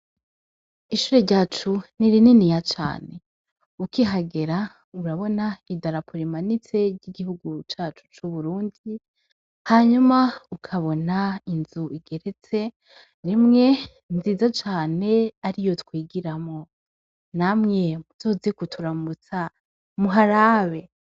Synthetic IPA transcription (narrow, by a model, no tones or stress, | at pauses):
iʃuːɾo̞ɾɟaːt͡ʃuniɾininijat͡ʃa̰ːne̞ | ukiɦaɡe̞ɾa | uɾaβo̞naidaɾapʰuɾimanit͡se̞ɾɟiɡihuɡut͡ʃaːt͡ʃu̥t͡ʃuβuɾuːndi | haɲumaukʰaβo̞nainzuiɡe̞ɾe̞t͡se̞ | ɾimŋe̞ | nziːzat͡ʃaːne̞aɾijo̞tkwiːɡiɾamŋo̞ | namŋe̞muzoːzekutʰuɾamut͡sa | muɦaɾaβe̞